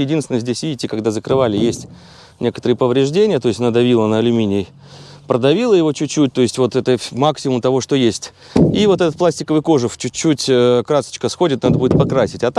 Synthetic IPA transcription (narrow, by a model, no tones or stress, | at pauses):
jɪdʲinsʲɪnəzʲdʲesʲvʲidʲɪtʲːɪkɐɡd̪azəkɾɨvalʲɪjesʲtʲ | nʲe̞kət̪əɾɨjəpəvɾʲɪʐdʲenʲɪjət̪o̞ɪsʲtʲɐnad̪ɐvʲilˠənəɐlʲʊmʲinʲɪə | pɾəd̪ɐvʲilˠəjɪvo̞t͡ɕʊt͡ɕːut̚ʲt̪o̞ɪsʲtʲvo̞t̪ɛt̪əmaksʲɪmʊmt̪ɐvo̞ʂt̪o̞jesʲtʲ | ivo̞t̪ɛt̪ət̪̚plˠasʲtʲɪkəvɨjko̞ʐɨft͡ɕʉt͡ɕːutʲəkɾasə̥t͡ɕkəsxo̞dʲɪt̪nad̪əbudʲɪt̪̚pɐkɾasʲɪtʲɐt̪